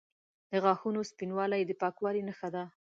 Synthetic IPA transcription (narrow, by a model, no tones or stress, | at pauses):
d̪̥əɣɑxunospinwɑlajd̪əpɑkwɑlinəxad̪a